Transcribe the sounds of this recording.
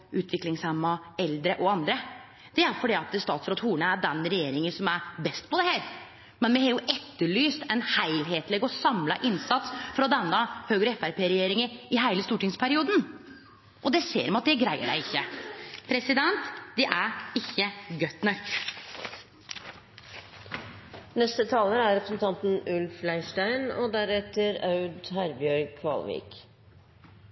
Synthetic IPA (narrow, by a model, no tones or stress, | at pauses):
ʔʉːt̪ʰʋɪklɪŋshɛmːɑɛld̪ɾəʔɔɑnd̪ɾə | d̪̥ɛæɾfɔɖiːɑt̪əst̪ɑːt̪sfɾɑt̪huːɳəæɖɛnɾɛjeːɾɪŋənsɔmæɾbɛst̪pɔd̪ɛhæːɾ | mɛnmɛhɛjʊʔɛt̪ːəɭyːst̪ɛnhæɪlɦeːt̪lɛɡɔsɑmlɑʔɪnsɑt̪sfɾɑd̪ɛnːɑhøːɡɾəɛfæɾpʰeːɾɛjeːɾɪŋəɾɪɦæɪləst̪uːʈɪŋspʰæɾɪuːd̪n̩ | ʔɔd̪ɛsḛːɾmɑt̪̚d̪ɛɡɾæɪə̰ɖæ̰ɪɪçːəpʰɾɛsɪd̪ɛnt̪d̪ɛʔæɾɪçːəɡœt̪nœk̪ | nɛst̪ət̪ʰɑːləæɾɾɛpɾəsn̩t̪ʰɑnt̪n̩ʉlflæɪʂʈæɪnɔ̰d̪æɾɛt̪əɾɑʉd̪hæɾbjœɾkʰʋɑ̰ːlʋḭːk